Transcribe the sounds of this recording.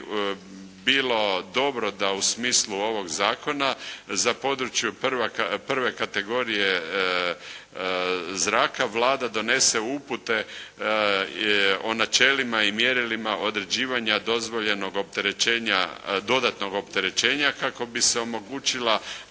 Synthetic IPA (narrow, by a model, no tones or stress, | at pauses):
biːlo̞d̪o̞bɾo̞d̪ausmiːslˠuo̞ʋo̞ɡzaːko̞nazapo̞ːd̪ɾut͡ʃjupʋapr̩ʋe̞kat̪e̞ɡo̞ɾije̞ | zɾaːkaʋlaːd̪ad̪o̞ne̞se̞uput̪e̞ | o̞nat͡ʃe̞limaimjeɾilimaʔo̞d̪ɾe̞d͡ʑiːʋaɲad̪o̞zʋo̞ʎe̞no̞ɡo̞p̚t̪e̞ɾet͡ʃeːɲa̰d̪o̞d̪at̪no̞ɡo̞pt̪e̞ɾe̞t͡ʃe̞ːɲakako̞biseo̞mo̞ɡuːt͡ʃila